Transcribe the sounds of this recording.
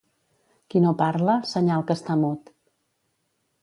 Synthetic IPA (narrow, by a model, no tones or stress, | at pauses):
kinopaɾləsəɲalˠkəst̪amot̪